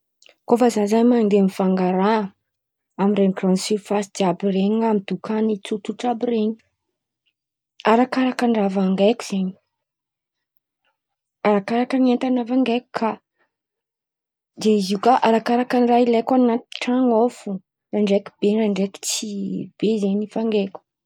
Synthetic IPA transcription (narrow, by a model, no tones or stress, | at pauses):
kofazanzaɲmand̪emifaŋɡaɾa | amirenkransifasid̪iabireɲamid̪ukʰanit͡sut͡suʈ͡ʂabireɲi̥ | aɾakaɾakaɳɖ͡ʐavaŋɡajkʲu̥z̥aɲi̥ | aɾakaɾakəniant̪anavaŋɡajku̥kʰa | zeiziukaʔaɾakaɾakanrailekanat̪i̥ʈ͡ʂaŋofu | raɳɖ͡ʐeku̥b̥eɾaɳɖ͡ʐeki̥t͡sib̥ezeɲifaŋɡekʲu̥